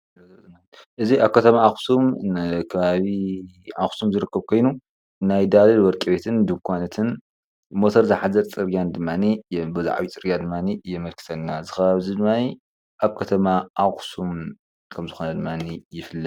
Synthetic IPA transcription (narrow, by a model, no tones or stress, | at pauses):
ʔɨziaβkʰɐt̪ʰɐmaaxsumkʰɐβaβiaxsumzɨɾɨkːɐβkʰo̞jnu | najd̪alɐlwɔɾkʼiβet̪ʰɨnd̪ɨmkʷʰanɐt̪ʰɨn | mot̪ʰɐɾzaħazɐɾt͡sʼɨɾɡʲjand̪ɨmːanibɨza̰ʕ̰βit͡sʼɨɾɡʲjad̪ɨmːanijɛmɐlkʰɨ̥sʰɐnːazɨxɐβaβzid̪ɨmːani | ʔaβkʰɐt̪ʰɐmaʔaxsum | kʰɐmzɨxonɐd̪ɨmːanijɪfɨlːɐ